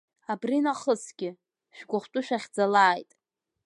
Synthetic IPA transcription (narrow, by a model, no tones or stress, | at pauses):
abrinaχəsɡʲɪ | ʃᶣɡʷʊχʷtʼʊʃᶣaχʲd͡zalaːjtʼ